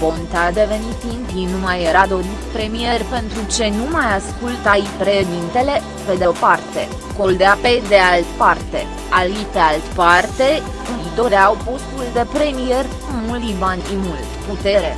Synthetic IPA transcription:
po̞nt̪ad̪e̞ve̞nit̪inp̪inumajeɾad̪o̞ɾit̪pɾe̞mije̞rʲpe̞nt̪ɾut͡ʃe̞numajaskult̪ajpɾe̞ʃd̪int̪e̞le̞ | pe̞d̪epart̪e̞̰ | ko̞ld̪eaped̪e̞alt̪part̪e̞̰ | alit̪ealt̪part̪e̞ | kuid̪o̞ɾeawpo̞st̪uld̪e̞pɾe̞mije̞rʲ | mullivanʲimult̪put̪e̞ɾḛ

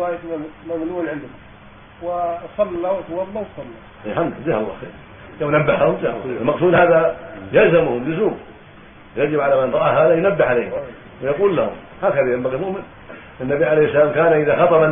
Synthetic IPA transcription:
ajt̪amaɡluːlʕɪnd̪ʊ | wɪsˤɑlːawt̪wɑdˤːawt̪sˤɑlːa | jħamːazaːhalˤːɑ̰ːxeːɾ | jawnabːahahʊmzaːhlːɪlmɑqsuːd̪haːðajalzamʊhʊmjʊzuːb | wjad͡ʒɪbʕalamanɾˤɑʔaɦaːðajʊnabːɪʕaleːhɪ | wɪjɑquːlːahʊ̰m | haːkaðajambaɣimʊʔmɪn | ɪnːabiʕaleːhsːalaːmkaːnaʔɪðaxɑt̪ˤɑban

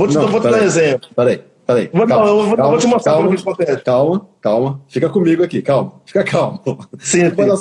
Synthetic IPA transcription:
vonɐ̃w̃vot͡ʃpɛd̪aezẽplʊpɛɾɐḭ | pɛɾaḭvonaɐ̃w̃ewovokãwmvot͡ʃɪmast̪kɾaawɾkɪt͡ʃɪ̥kõt̪ɛt͡ʃkawmɐkawmɐfikɐkõmiɡʊakikawmɐfi̥kɐkʰawmʊsĩɐ

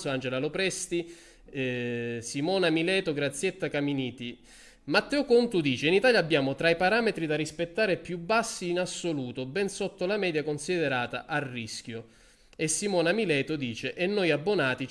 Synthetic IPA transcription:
soand͡ʒelalopɾɛst̪i | simɔːnamilɛːt̪oɡɾat̪sːjet̪ːakaminiːt̪i | mat̪ːɛːokont̪ud̪iːt͡ʃeinit̪aːljaːbːjaːmot̪ɾaipaɾaːmet̪ɾid̪arispet̪ːaːɾepjubːasːiːnasːoluːt̪obɛnsot̪ːolamɛːd̪jakonsid̪ɛɾaːt̪a̰ʔarːisk̟jo | esːimɔːnamilɛːt̪ʊd̪iːt͡ʃeʔɛnːojabːonaːt̪i

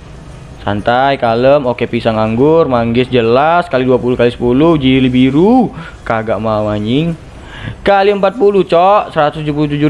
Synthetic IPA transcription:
sa̰nt̪ajkaləmokepisaŋaŋɡʊrmaŋɡɪsd͡ʒəlaskaliduapuluhkalisə̥pulʊhd͡ʒilibiɾu | kaɡaʔmamaɲɪŋ | kaliəmpat̪̚pulut͡ʃɔʔsəɾat̪ʊsd͡ʒup̬uluht̪ud͡ʒu

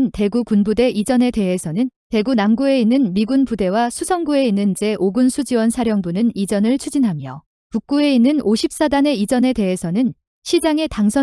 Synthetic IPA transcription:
nte̞ɡukunbude̞ʔid͡ʑʌne̞te̞ɦe̞sʰʌnɯnte̞ɡunamɡue̞inːɯnmiɡunpude̞wasʰusʰʌŋɡue̞inːɯnd͡ʑe̞ʔoɡunsʰud͡ʑiwʌnsʰaɾjʌŋbunɯnid͡ʑʌnɯɭt͡ɕʰud͡ʑinɦamjʌ | kuk̚k͈ue̞inːɯnoɕʰip̚s͈adane̞id͡ʑʌne̞te̞ɦesʰʌnɯn | ɕʰid͡ʑaŋe̞taŋsʰʌ

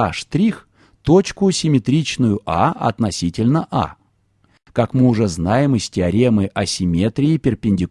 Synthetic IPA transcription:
aʂt̪ɾʲix | t̪ot͡ɕkʊsʲɪmʲɪt̪ɾʲit͡ɕnʊjʊʔa̰ɐ̰t̪nɐsʲitʲɪlʲnəʔa̰ | kakmɨʊʐɛznajɪmɨsʲtʲɪɐɾʲemɨʔɐsʲɪmʲet̪ɾʲɪːpʲɪrpʲɪnʲdʲɪ

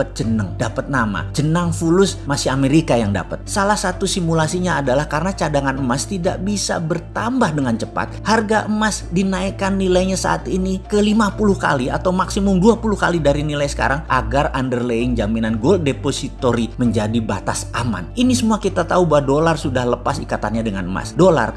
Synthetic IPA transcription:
ət̪̚d͡ʒənəŋdapət̪̚nama̰d͡ʒənaŋfulʊsmasiameɾikajaŋda̰pət̪̚salahsat̪usimulasiɲaːdalahkaɾənat͡ʃadaŋanəmast̪ida̰ʔ̚bisa̰bərt̪ambahdəŋant͡ʃəpa̰t̪̚harɡaʔəmasdinaikanːilajɲasa̰ʔat̪inikəlimapulʊhka̰lia̰t̪awmaksimʊmduapulʊhkalidaɾinilajsə̥ka̰ɾaŋʔa̰ɡarandərleɪŋd͡ʒaminanɡol̚deposit̪oɾiməɲd͡ʒadiba̰t̪asama̰ninisəmuakit̪at̪aubawdolarsudahləpasikat̪anɲadəŋa̰nəma̰sdola̰r

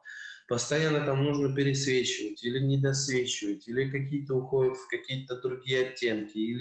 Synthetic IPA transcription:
pəst̪ɐjanːət̪amnuʐnəpʲɪɾʲɪsvʲet͡ɕɪvətʲilʲɪnʲɪd̪ɐsvʲet͡ɕɪvətʲilʲɪkɐk̬ʲijət̪əʊxodʲɪt̪fkɐkʲijət̪əd̪ɾʊɡʲijəɐtʲːe̞nkʲɪilʲɪ

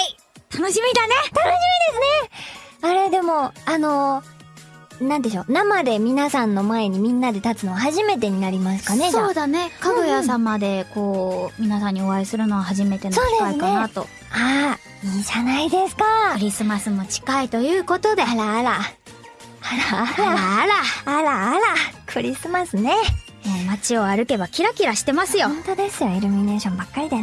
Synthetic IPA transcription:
i | t̪anoɕimʲid̪ane̞t̪anoɕimʲid̪e̞sɨne̞aɾe̞d̪e̞mo̞ano̞ | nãnd̪eɕo̞ːnamad̪e̞mʲinasãnːo̞mae̞ɲ̟imʲĩnːad̪e̞t̪at͡sɨno̞βahaʑime̞t̪̬e̞ɲ̟inaɾʲimasɨ̥kane̞d͡ʑsoːd̪ane̞kaɡojasamad̪e̞ko̞ːmʲinasãɲ̟ːio̞βaisɨɾɯ̟no̞ɡahaʑime̞t̪enso̞ːd̪eaiɨk̪nkaenat̪o̞ | a | iːd͡ʑanaid̪e̞sɨ̥kaɯ̟ɾʲisɨmasɨmo̞t͡ɕi̥kait̪o̞jɯ̟ːko̞t̪o̞d̪e̞aɾaːɾa | aɾaaːɾaːɾaːɾakʰɯ̟ɾʲisɨmasɨne̞ | moːmat͡ɕio̞aɾɯ̟ke̞bakʲiɾakʲiɾaɕi̥t̪e̞masɨjo̞õnt̪od̪e̞sɨjoiɾʲɯ̟mʲine̞ːɕõ̞mbakːaɾʲid̪e

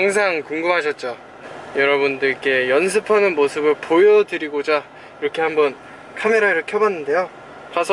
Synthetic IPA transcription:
aŋs̬ʰaŋkuŋɡɯmɦaɕʰʌt̚t͡ɕ͈o | jʌɾʌbundɯɭk͈e̞jʌns̬ʰɯpʰanɯnmosʰɯbɯɭpojʌdɯɾiɡod͡ʑa | iɾʌkʰe̞hambʌn | kʰame̞ɾaiɾʌkʰeɦʌbanːɯnde̞jo | kasʰʌ

